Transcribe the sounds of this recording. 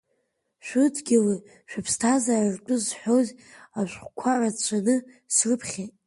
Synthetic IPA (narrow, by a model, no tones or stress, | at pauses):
ʃʷʊtʰɡʲilɨ | ʃᶣapʰstʰazarartʷʼʊzħʷozaʃʷχʷkʷʰaʕat͡ɕʷʰanɨ | srɨpʰχʲetʼ